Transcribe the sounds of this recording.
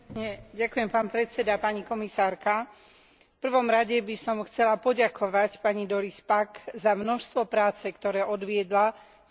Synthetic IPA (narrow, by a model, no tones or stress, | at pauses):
ɲɛɟakujɛmpaːnpɾɛt͡sɛd̪apaɲikɔmisaːɾka | fpr̩ʋɔmɾaɟɛbisɔmxt͡sɛlapɔɟakʰɔʋacpaɲid̪ɔɾispaɡzamnɔʃst̪ʋɔpɾaːt͡sɛkt̪ɔɾɛːʔɔd̪ʋɪɛd̪la